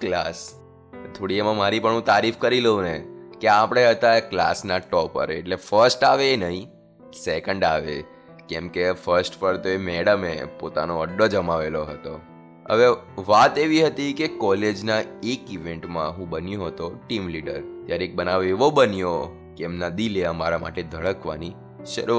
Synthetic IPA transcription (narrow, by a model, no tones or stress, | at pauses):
klas | t̪ʰoɽiemãmaɾipəɳɦũt̪aɾifkəɾileũnekeapɽ̃eɦət̪akla̰snaʈɔpə̰ɾḛʈlefəɾsʈaʋeːnəɦĩ | sɛkəɳɖaʋḛ | kɛ̃mkefəɾsʈpəɾt̪oemɛɽəmepot̪a̰noəɖːod͡ʒəmaʋeloɦət̪o | ɦə̰ʋeʋat̪eʋiɦət̪ikekɔled͡ʒnaekiʋeɳʈmã̰ɦũbənjoɦət̪oʈimliɖəɾt̪jaɾeek̚bənaʋeʋobənijo | keɛmnad̪ileəmaɾama̰ʈed̪ʱəɭəkʋa̰ni | ʃə̰ɾu